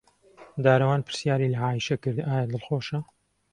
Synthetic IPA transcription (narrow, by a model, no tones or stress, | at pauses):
d̪aːɾɐwaːnpʰɨɾsjaːɾiːlɐʕaːjiʃɐkɨɾd̪aːjɐd̪ɨlxoːʃɐ